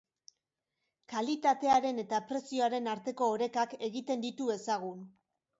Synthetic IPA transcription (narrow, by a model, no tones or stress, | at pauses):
kalit̪at̪e̞aɾe̞ne̞t̪apɾe̞sio̞aɾe̞naɾt̪e̞ko̞ːɾe̞kake̞ɣit̪e̞nd̪it̪ue̞saɣ̞un